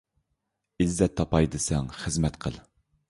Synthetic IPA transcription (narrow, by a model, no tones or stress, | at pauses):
izːɛt̪ʰːɑpɑjd̪ɨsɛŋχəzmɛt̪qʰəlˠ